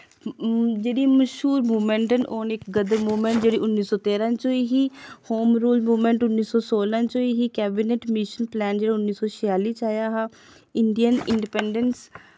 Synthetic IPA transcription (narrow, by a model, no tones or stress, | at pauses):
d͡ʒeːɽiːməʃuːɾmuːmɛɳʈənoːnɪkɡəd̪əmuːmə̃ɳʈd͡ʒeːɽiːʔʊnːiːsɔːt̪eːɾãːt͡ʃoːiːɦiːhoːmɾuːlmuːmə̃ɳʈʊnːiːsɔːsoːlãːt͡ʃoːiːɦiːkɛːbineʈmiːʃənplɛːnd͡ʒeːɽaːʊnːiːsɔːt͡ʃʰɪjaːliːt͡ʃaːjaːɦaː | ɪɳɖijənɪ̰ɳɖɪpɛːɳɖəns